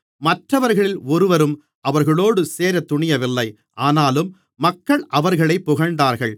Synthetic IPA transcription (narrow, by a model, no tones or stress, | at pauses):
mɐʈrɐʋɐɾɣɐɭɪlɔɾɯʋɐɾɯm | ʔɐʋɐɾɣɐɭoːɽɯseːɾɐt̪ːʊɳɪjɐʋɪlːɐɪ | ʔaːnaːlɯmː | ɐkːɐɭʔɐʋɐɾɣɐɭɐɪpːʊɣɐɳɖ̪aːɾɣɐɭ